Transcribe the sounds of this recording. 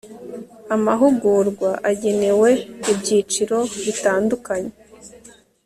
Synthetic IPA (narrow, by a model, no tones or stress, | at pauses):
amaɦuɡuɾɡwaʔaɟe̞ne̞we̞ibɟiːt͡ʃiɾo̞βitaːndukaɲe̞